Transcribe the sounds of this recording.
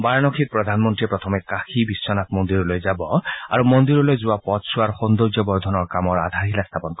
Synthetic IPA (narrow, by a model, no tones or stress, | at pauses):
baɹnɔkʰit̪̚pɹɔd̪ʱanmɔntiepɹɔt̪ʰɔmɛkakʰibisːɔnat̪̚mɔnd̪iɾɔlojzabɔa̰ɾumɔnd̪iɾɔlojzuapɔt̪suaɾxɔnd̪oɡjɔbɔɹd̪ʱɔnɔɹkamɔɹa̰d̪ʱaɾilast̪ʰapɔnkɔ